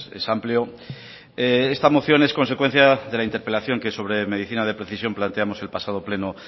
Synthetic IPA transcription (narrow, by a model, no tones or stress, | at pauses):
ḛsampljo | ee̞st̪amo̞θjo̞ne̞sko̞ns̬ekwe̞n̟θjaðe̞laint̪eɾpe̞laθjo̞ŋke̞so̞β̞ɾe̞me̞ðiθinaðe̞pɾe̞θisjo̞mplant̪eamo̞se̞lpasað̞ople̞no